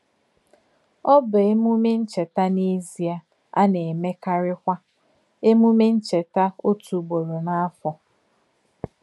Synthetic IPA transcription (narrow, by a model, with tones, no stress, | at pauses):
ɔ˦bʊ˨e˦mu˦me˦n̩˦t͡ʃe˨ta˦ni˦zi˨a˨ | a̰˦ne˨me˦ka˦ɾɪ˦kʷa˦ | e˦mu˦me˦n̩˦t͡ʃe˨ta˦o˦tu˨ɡ͡bo˨ɾo˨na˦fɔ˨